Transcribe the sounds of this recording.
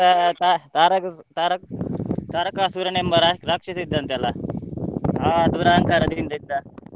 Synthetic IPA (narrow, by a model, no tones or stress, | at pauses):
at̪at̪aɾɐkt̪aɾɐk̚t̪aɾɐkasuɾɐɳembɐɾaɾakʂɐsid̪ʱːant̪jala | ɦad̪uɾaŋkaɾɐd̪iːnt̪ɐd̪ːa